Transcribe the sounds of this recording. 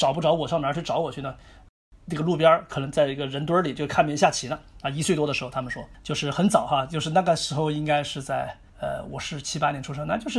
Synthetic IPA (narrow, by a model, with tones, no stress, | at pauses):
ʈ͡ʂɑ˨˩ʊp̬u˥˩ʈ͡ʂɑ˧˥ʊwɔ˨˩ʂŋna˧˥˩ʈ͡ʂɑ˨˧˥ʊwɔ˨˩t͡ɕʰy˥˩nə˩ | na˥˩ɡə˩lu˥˩p̬jɑ˥kʰɤ˨˩nɤ˧˥ŋt͡sa˥˩ɪi˥˩ɡə˨ɻə˧˥nt̪wə˥li˨˩t͡ɕo˥˧ʊ˥kʰa˥nmjɛ˧˥ɕja˥˩t͡ɕʰi˧˥nə˧a˧i˧˥swe˥˩t̪wɔ˥də˩ʂɻ̩˧˥˧ʊt̪ʰa˥mə˨nʂwɔ˥t͡ɕjo˥˧ʊʂɻ̩˥˩xə˧˥nt͡sɑ˨˩ʊxa˧t͡ɕjo˥˧ʊʂɻ̩˥˧na˥˩ɡə˩ʂɻ̩˧˥xo˥˧ʊi˥ŋka˥ɪʂɻ̩˥˧t͡sa˥˩ɪ | ə̰˧wɔ̰˨˩ʂɻ̩˥˩t͡ɕʰi˥pa˥njɛ˧˥nʈ͡ʂʰu˥ʂ̬ɤ˥ŋna˥˧t͡ɕjo˥˧ʊʂɻ̩˥˩